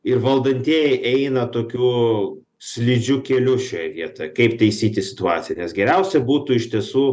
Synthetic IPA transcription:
ɪɾʋɐlˠd̪ɐnʲt̪ʲiɛjɛʔɛɪnɐt̪oːkʲuː | sʲlʲɪd͡ʒʲʊkʲeːlʲʊʃʲoːjɛʋʲiɛt̪oːjɛkɐɪpt̪ɐɪsʲiːt̪ʲɪsʲɪt̪ʊɑːt̪sʲɪjɛnʲɛsɡʲɛɾʲɛʊsʲɛbuːt̪uːɪʃʲt̪ʲiɛsuː

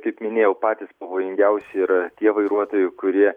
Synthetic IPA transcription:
kɐɪpmʲɪnʲeːjɛʊpɑːt̪ʲɪspɐʋoːjɪŋʲɡʲɛʊsʲɪɪɾɐt̪ʲiɛʋɐɪɾuɔt̪oːjʊɪkʊɾʲiɛ

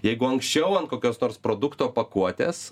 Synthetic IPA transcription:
jɛɪɡʊɐŋksʲt͡ʃʲɛʊɐnkoːkʲoːsnoːrspɾoːd̪ʊkt̪oːpɐkuɔt̪ʲḛːs

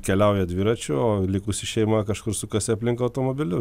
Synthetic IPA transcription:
kʲɛlʲɛʊjɛd̪ʲʋʲiːɾɐt͡ʃʲʊoːlʲɪkʊsʲɪʃʲɛɪmɐkɐʃkʊɾsʊkɐsʲɛɐpʲlʲɪŋkɐɐʊt̪oːmoːbʲɪlʲʊ

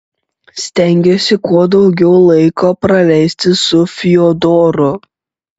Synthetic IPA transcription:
sʲt̪ʲɛˑŋʲɡʲesʲɪkuɔd̪ɒʊɡʲɛʊlˠɐɪkʰoːpɾɐlʲɛɪsʲt̪ʲɪsʊfʲɪjoːd̪oːɾʊ

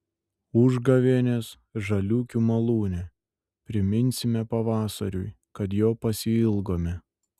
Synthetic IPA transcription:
ʊʒɡɐʋʲeːnʲeːs | ʒɐlʲuːkʲumɐlˠuːnʲɛ | pʲɾʲɪmʲɪnʲsʲɪmʲɛpɐʋɑːsɐ̰ɾʲʊj | kɐt̪joːpɐsʲɪɪlˠɡoːmʲɛ

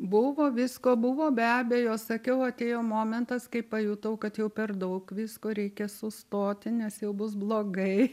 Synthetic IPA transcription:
bʊʋoːʋʲiskoːbʊʋoːbʲæːbʲeːjoːsɐkʲɛʊɐt̪ʲeːjoːmoːmʲɛnt̪ɐskɐɪppɐjuːt̪ɐʊkɐt̪jɛʊpʲɛrd̪ɐʊkʋʲɪskoːɾʲɛɪkʲɛsʊst̪oːt̪ʲɪnʲɛsjɛʊbʊsblˠoːɡɐɪ

